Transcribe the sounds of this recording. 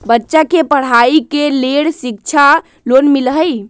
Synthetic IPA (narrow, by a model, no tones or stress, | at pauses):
bətːʃakepəɽ̤aikeleɽsik̚t͡ʃʰa | lonmilɦəj